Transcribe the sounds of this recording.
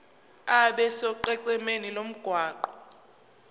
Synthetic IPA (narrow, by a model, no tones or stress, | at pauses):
aɓɛsɔǃɛǀɛmenilom̩ɡ̥ʱwaːǃɔ